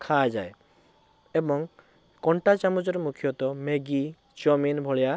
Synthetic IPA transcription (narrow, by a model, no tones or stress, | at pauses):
kʰad͡ʒa̰e | ebɔŋ | kɔɳʈat͡ʃamud͡ʒɔɾmukʰijɔt̪ɔmeɡi | t͡ʃɔminbʱɔɭja